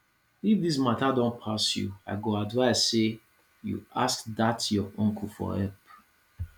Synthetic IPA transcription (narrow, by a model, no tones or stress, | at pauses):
ifd̪is̬matadɔ̃npʰasjṵaɪɡoadvaɪssse | jṵaskðatjɔʔɔ̃ŋkʰəfɔ̰ɛp